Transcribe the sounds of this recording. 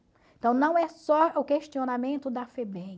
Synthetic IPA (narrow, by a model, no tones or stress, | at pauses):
ẽt̪ɐ̃w̃nɐ̃w̃ɛsɔʊkeʃt͡ʃionamẽnt̪ʊd̪ɐfebẽ